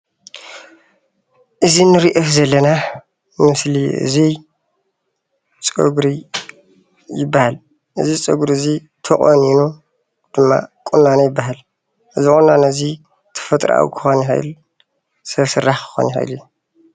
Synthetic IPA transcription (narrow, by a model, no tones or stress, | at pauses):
ʔɨzinɨɾiʔɐfzɐlːɐna | mmɨsliʔɨ̰zi | t͡sʼɨɡɾi | jɪbːahal | ʔɨ̰zit͡sʼɨɡuɾɨzi | t̪ʰɐχʼo̰ninu | d̪̥ɨmːa̰kʼunːanajɪbːaɦal | ʔɨzixʼonːanɐzi | t̪ʰɐ̥fɐt̪ʼɾa̰w̰kʰɨ̥xonɦa̰jl | sɐβsɨrːaxkʰɨ̥xo̰nha̰j̰luju